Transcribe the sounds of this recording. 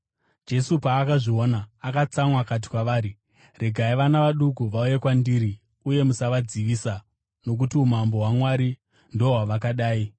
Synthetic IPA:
d͡ʒe̞supaːkaʐio̞naːkat͡samwakat̬i̥kwaʋaːɾi | re̞ɡʱaiʋanaʋaɗukuʋaujekwandiːɾi | uje̞musaʋad͡ziʋiːsa | no̞k̬utiumambo̞ɦwamwaɾi | ndooɦwaʋakaɗaːi

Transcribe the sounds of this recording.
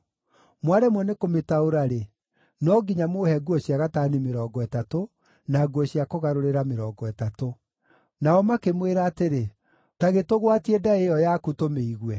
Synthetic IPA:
mwaɾɛmwɔnekometaoɾaɾe | nɔɡiɲamohɛɡuɔɕjaɣataːnimeɾɔːɡɔɛtato | naɡuɔɕiakoɣaɾoɾeɾameɾɔːɡɔɛtato | naɔmakemweɾaːteɾe | taɣetoɣwatiɛdaejɔjakutomeiɣwɛ

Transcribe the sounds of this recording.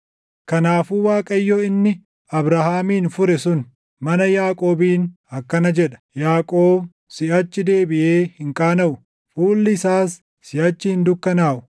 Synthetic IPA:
kɐnaːfuːwaːkʼɐjːoɪnːɪ | ɐbɾahaːmiːnfʊɾɛsʊn | mɐnɐjaːkʼo̞ːbiːn | ɐkːɐnɐd͡ʒɛᶑɐ̥jaːkʼoːb | sɪʔɐt͡ʃːɪd̪e̞ːbɪʔeːhɪŋkʼaːnɐʔʊ | fuːlːɪɪsaːsː | ɪʔɐt͡ʃːɪhɪnd̪ʊkːɐnaːʔʊ̥

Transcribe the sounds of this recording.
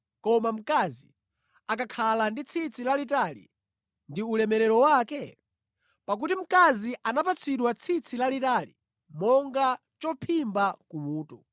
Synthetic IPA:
kɔmam̩kazi | ak̬akʰalandit͡sʰit͡sʰilalitalḭ | ndiulɛmɛɾɛɾɔwakɛ | pak̬utim̩kaziʔanapat͡sʰiɗwat͡sʰit͡sʰilalitalḭ | mɔŋɡa | t͡ʃɔpʰimbakumuːtɔ

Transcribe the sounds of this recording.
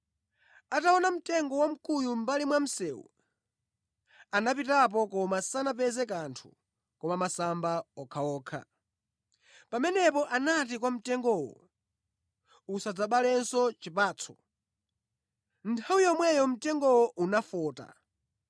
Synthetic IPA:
ataɔnam̩tɛŋɡɔwam̩kʼujum̩balimwam̩sɛːwṵ | anapitap̬ɔkɔmasanap̬ɛzɛk̬antʰu̥̰ | kɔmamasambaɔkʰaɔːkʰa̰ | pamɛnɛpɔʔanat̬ik̬wam̩tɛŋɡɔwɔ̰ | usad͡zaɓalɛnsɔt͡ʃipaːt͡sʰɔ̥ | ntʰawujɔmwɛjɔm̩tɛŋɡɔwɔʔunafɔːta̰

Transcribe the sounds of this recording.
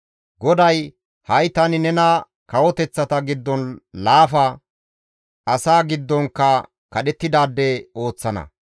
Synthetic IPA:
ɡɔd̪ɐj | hɐjt̪ɐnɪnɛnɐ | kɐwɔt̪ɛt͡sːɐt̪ɐɡɪd̪ːɔnlaːfɐ | ɐsaːɡɪd̪ːɔŋkːɐ | kɐɗɛt̪ːɪd̪aːd̪ːɛo̞ːt͡sːɐnɐ̰

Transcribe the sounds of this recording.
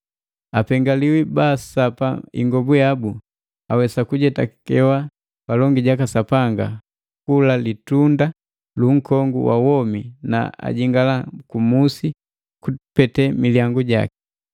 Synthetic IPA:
apɛŋɡaliwibaːsapaḭŋɡɔbujabu | awɛsakuɟɛtakɛwa | palɔŋɡiɟakasapaŋɡa̰ | kulalitunda | luŋ̩kɔŋɡṵwa̰wɔmina̰a̰ɟiŋɡalakumusi | kupɛtɛmiljaŋɡuɟa̰ki̥

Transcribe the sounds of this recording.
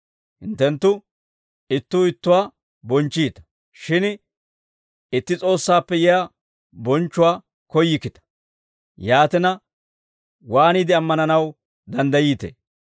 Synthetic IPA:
hɪnt̪ːɛnt̪ːʊ | ɪt̪ːʊːɪt̪ːʊwaː | bɔnt͡ʃːiːt̪ɐ̥ | ʃɪn | ɪt̪ːɪt͡sʼo̞ːsːaːpːɛjɛa | bɔnt͡ʃːʊwaː | kɔjːɪkːɪt̪ɐ̥ | jaːt̪ɪnɐ | waːniːd̪ɪɐmːɐnɐnɐw | d̪ɐnd̪ɐjiːt̪ḛː

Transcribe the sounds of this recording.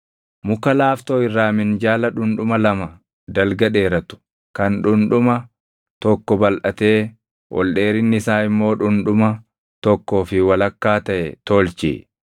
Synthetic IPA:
mʊkɐlaːft̪oːɪrːaːmɪnd͡ʒaːlɐᶑʊnᶑʊmɐlɐmɐ | d̪ɐlɡɐᶑe̞ːɾɐt̪ʊ̥ | kɐnᶑʊnᶑʊmɐ | t̪ɔkːɔbɐlʔɐt̪e̞ː | wɔ̰lɗeːɾɪnːɪɪsaːɪmːo̞ːᶑʊnᶑʊmɐ | t̪ɔkːoːfɪwɐlɐkːaːt̪ɐʔɛt̪oːlt͡ʃḭː

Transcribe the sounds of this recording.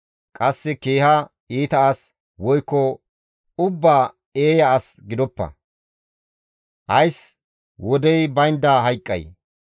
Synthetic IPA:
kʼɐsːɛkeːhɐ | iːt̪ɐas | wɔjkːɔ | ʊbːaː | eːjɐːsɡɪd̪ɔpːɐ̰ | ʔɐjs | wɔd̪ɛjbɐjnd̪aːɦɐjkʼːɐ̰j

